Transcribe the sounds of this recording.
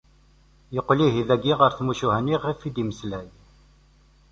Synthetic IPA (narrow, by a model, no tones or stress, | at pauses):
jəqːliɦiðæɡiʁəɾθmuʃuɦæniʁifid̪iməslæj